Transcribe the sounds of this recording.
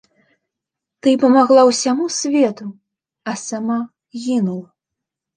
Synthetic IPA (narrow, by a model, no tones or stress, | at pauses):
t̪ɨpɐmaɣlˠawsʲamusʲvʲɛt̪u | ɐsama | ɣʲinulˠɐ